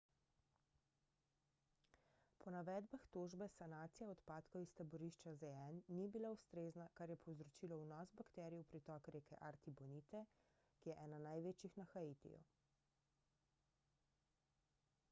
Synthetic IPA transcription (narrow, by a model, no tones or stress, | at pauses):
pɔnaʋɛːd̪baxt̪oʒbɛsanaːt̪sijaɔt̪paːt̪kɔwist̪abɔɾiʃt͡ʃazeɛnːibilaust̪ɾeːznakaɾjɛpʰɔwzɾɔt͡ʃilɔwnɔsbakt̪ɛːɾijɛwpɾit̪ɔːkɾeːkɛ̰ʔaɾt̪ibɔniːt̪ɛ | kijɛʔɛːnanajʋeːt͡ʃjixnaxaiːt̪ḭjṵ